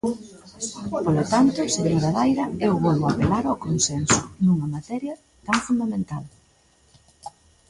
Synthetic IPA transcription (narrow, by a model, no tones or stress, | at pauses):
polot̪ant̪ʊseɣiðaðajɾɐewβɔlβoapelaɾakonsɛnsʊnuŋɐmat̪ɛɾjɐ | t̪aŋfund̪amẽnt̪al